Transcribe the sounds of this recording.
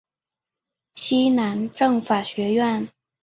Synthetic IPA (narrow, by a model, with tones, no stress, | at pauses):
ɕi˥na˧˥nʈ͡ʂɤ˥˩ŋfa˨˩ɕɥɛ˧˥ɥɛ˥˩n